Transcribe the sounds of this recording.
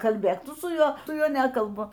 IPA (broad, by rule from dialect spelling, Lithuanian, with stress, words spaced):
kɐlʲˈbʲeːk ˈtʊ sʊ ˈjuɔ ˈtʊ ˈjuɔ ˈnʲæːkɐlˠbʊ